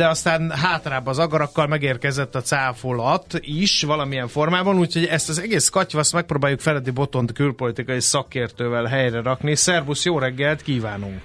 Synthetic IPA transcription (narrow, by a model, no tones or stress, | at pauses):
d̪ɛɒst̪aːnɦaːt̪raːbːɒzɒɡɒɾɒkːɒlmɛɡeːrkɛzɛt̪ːɒt̪saːfolɒt̪iʃvɒlɒmijɛɱfo̞rmaːbɒnuːcʰho̞ɟɛst̪ɒzɛɡeːskɒcvɒst̪mɛk̚proːbaːjukfɛlɛd̪ibo̞t̪o̞nt̪kylpo̞lit̪ikɒjisɒkeːrt̪øːvɛlɦɛjrɛɾɒknisɛrbusjoːɾɛɡːɛlt̪kiːvaːnuŋ